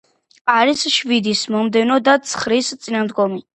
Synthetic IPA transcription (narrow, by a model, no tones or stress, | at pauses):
aɾisʃvid̪ismɔmd̪ɛnɔd̪at̪sʰχɾist̪sʼinamd̪ɡɔmi